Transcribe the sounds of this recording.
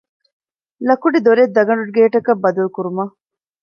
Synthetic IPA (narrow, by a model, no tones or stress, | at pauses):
lɐkuɖid̪oɾed̪ːɐɡɐɳɖuʈ̚ɡeːʈɐkɐbːɐd̪ɐlukuɾumɐ